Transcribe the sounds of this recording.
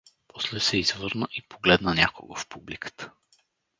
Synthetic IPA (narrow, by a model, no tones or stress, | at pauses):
pʰɔslɛsɛizvɤɾnəʔipoɡlɛd̪nənʲako̰ɡofpublikə̥t̪ə̥